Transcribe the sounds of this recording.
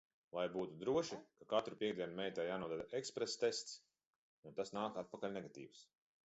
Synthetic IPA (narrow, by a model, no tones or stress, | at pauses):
lajbuːt̪ud̪ɾuɔʃikakat̪ɾupʲiɛɡ̚d̪iɛnumɛjt̪ajaːnuɔd̪ad̪aʔekspɾest̪est̪s | unt̪asnaːkat̪̚pakalʲnɛɡat̪ḭːws